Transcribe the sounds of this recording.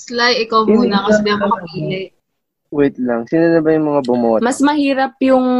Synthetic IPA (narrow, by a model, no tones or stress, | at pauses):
slajɪkawmuːnɐkɐsɪnamɐɐʔiːlɛ | wɛt̪̚laŋsinanɐbɐjʊŋmɐŋabʊmomɐsmɐhiːɾɐpjʊŋ